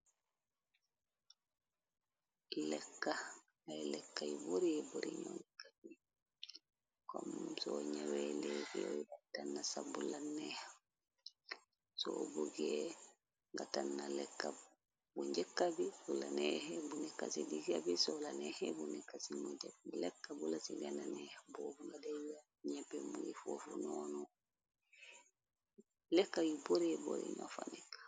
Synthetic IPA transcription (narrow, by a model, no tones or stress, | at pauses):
lɛkːa | ailɛkːaiboɾiboɾiɲonikabi | kɔmsɔɲaweleːfijojɡatanːasabulanɛha | sɔbuɡe | ŋɡatanːalɛkːa | buɲd͡ʒekːabibulanɛhɛbunɛkːasidiɡabisolaneːhɛbunikːasimod͡ʒaulɛkːabulasiɡananɛhabobuŋɡadaja | ɲɛbembuɡifofunoːnɔ | lɛkːajiboɾebo̰ɾḛɲo̰fanikː